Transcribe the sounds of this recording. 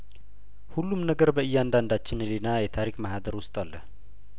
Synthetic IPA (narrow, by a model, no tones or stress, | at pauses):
hulːumnəɡəɾbəʔɨjːand̪and̪at͡ʃːɪnlenajɛt̪ʰaɾikʼmaɦad̪əɾwʊst̪ʼalːəh